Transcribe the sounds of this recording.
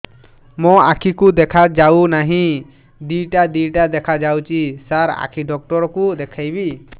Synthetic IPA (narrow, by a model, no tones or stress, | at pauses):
mɔakʰikud̪ɛkʰad͡ʒawnaɦĩ | d̪ijʈad̪ijʈad̪ɛkʰad͡ʒawt͡ʃisaɾa̰kʰiɖɔk̚ʈɔɾɔkud̪ɛkʰajbi